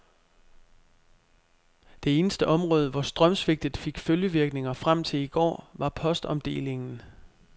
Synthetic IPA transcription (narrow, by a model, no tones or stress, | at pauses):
d̥e̝e̝ːnəsd̥əʔɒ̽mʁɔ̽ːð̞ˠəʋɒsd̥ʁɶmsʋe̝ɡ̥̚d̥ð̩ˠfe̝ɡ̥føljəʋiɐɡ̥ne̝ŋɐfʁam̰t͡sʰe̝liɡ̥ɒ̰ːʋɑ̈pʰɒ̽sd̥ɒ̽md̥e̝̰ːle̝ŋn̩